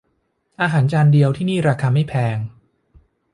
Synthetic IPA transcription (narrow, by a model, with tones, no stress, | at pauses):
ʔaː˧ɦaː˩˦nt͡ɕaː˧ndi˧əwt̪ʰiː˥˩niː˥˩ɾaː˧kʰaː˧ma˥˩jpʰɛː˧ŋ